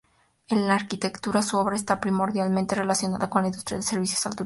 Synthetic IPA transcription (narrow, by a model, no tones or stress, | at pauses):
enlaːɾkit̪e̞kt̪uɾasuoβɾaest̪apɾimo̞ɾðjalmẽnt̪e̞re̞lasjo̞naðako̞nlaĩnd̪ust̪ɾjaðese̞ɾβisjosalt̪u